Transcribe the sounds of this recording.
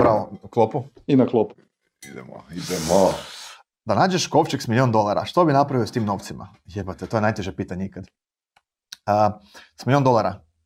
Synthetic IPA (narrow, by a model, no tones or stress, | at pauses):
bɾaʋoklˠopu | inaklˠopu | id̪ɛ̰mo̰id̪ɛmo | d̪anaːd͡ʒeʃkoʋt͡ʃeksmiliond̪o̞lˠaɾa̰ʃt̪obinapɾaʋiost̪iːmno̞ʋt̪sima̰ | jepat̪et̪o̞e̞najt̪eʒepiːt̪aɲeikad̪ | əsmilʲˠiond̪o̞lˠaɾa